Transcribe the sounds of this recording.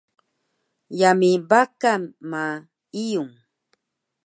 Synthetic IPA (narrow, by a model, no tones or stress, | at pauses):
jamɪbakama | ɪjʊŋ